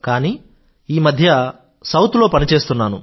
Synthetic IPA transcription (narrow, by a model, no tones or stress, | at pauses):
kaːniː | iːmɐd̪ʱjɐ | sɐwt̪lo̞ːpɐnit͡ʃe̞ːst̪unːaːnṵ